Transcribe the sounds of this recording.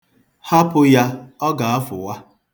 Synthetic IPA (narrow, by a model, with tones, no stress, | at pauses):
ha˦pʊ˦ja˦ɔ˦ɡa˨a˦fʊ̰˨wa˦